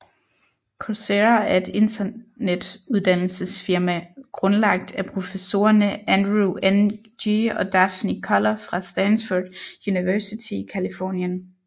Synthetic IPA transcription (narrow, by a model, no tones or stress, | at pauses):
kʰoseɐæɐe̝d̥e̝nd̥ɐned̥uðˠd̥æn̰l̩səsfiɐmæɡ̥ʁɔnlɑ̈ɡ̥̚d̥æpʰʁo̝fəso̝̰ːɐnəænd̥ʁuʔen | iɒ̽d̥æfnikʰɒlɐfʁɑ̈sd̥ænsfod̥juniʋɜɐsit͡sʰiikʰælifɔ̰ːnjən